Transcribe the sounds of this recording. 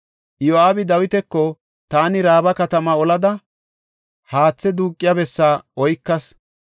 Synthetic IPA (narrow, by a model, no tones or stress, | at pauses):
joaːbɪd̪ɐwɪt̪ɛkːɔ | t̪aːnɪɾaːbɐkɐt̪ɐmaɔlɐd̪ɐ | haːt͡sːɛd̪uːkʼːɪjɐbɛsːaːɔjkːɐs